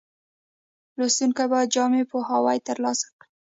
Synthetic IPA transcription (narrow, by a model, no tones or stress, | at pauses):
lost̪uŋkabad͡ʒɑmepoɦawajt̪əɾlɑsḁkɽi